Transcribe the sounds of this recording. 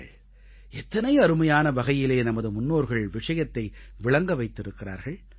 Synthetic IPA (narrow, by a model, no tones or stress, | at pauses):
ɭ | ɛt̪ːɐnɐjɐɾɯmɐjaːnɐʋɐɣɐjɪleːnɐmɐðɯmʊnːoːɾɣɐɭʋɪʂɐjɐt̪ːɐɪʋɪɭɐŋɡɐʋɐɪt̪ːɪɾɯkːɪra̰ːɾɣɐɭ